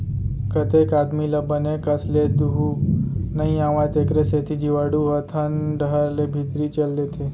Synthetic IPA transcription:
kət̪ekad̪miləbənekəsled̪uɦunəĩãʋajt̪ekɾeset̪ʰid͡ʒiʋaɽuɦət̪ʰənɖəɦəɾlebʱit̪ɾit͡ʃəld̪et̪ʰe

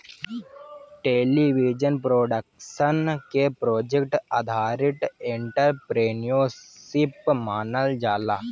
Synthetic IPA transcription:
ʈeːliʋid͡ʒənpɾoːɖəkʃənkepɾoːd͡ʒekʈɐ̰d̪ʱaːɾiʈ̪eɳʈəɾpɾeːnijosipmaːnəld͡ʒaːla

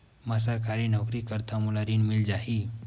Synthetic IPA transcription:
masaɾkaɾiːnɔkɾikəɾt̪ʰamulaɾiːnmild͡ʒaɦi

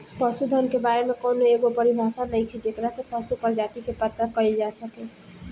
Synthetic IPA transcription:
pəsud̪ʱənkebaɾemekownoeɡopəɾibʱasanəjt̪ʰid͡ʒekɾasə̃pəsupəɾd͡ʒat̪ikepət̪ːɾəkəild͡ʒasəkẽ

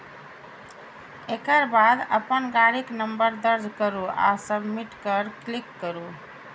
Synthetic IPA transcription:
ekəɾbad̪ə̰pənɡaɽiknəmbəɾd̪əɾd͡ʒkəɾua̰səbʱmiʈkəɾklikːəɾu

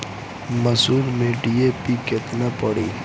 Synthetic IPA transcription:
mɐsuːɾmẽɖiepikɪt̪napɐɽiː

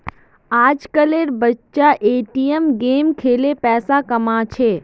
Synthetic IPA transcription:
aːd͡ʒkəleːɾbətːʃaʔeːʈijemɡeːmkʰeːlepɛːsakɐmat͡ʃʰeː

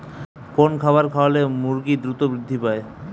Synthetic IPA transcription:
konkʰabaɾkʰaalemuɾɡid̪ɾut̪obɾid̪ʱːipae

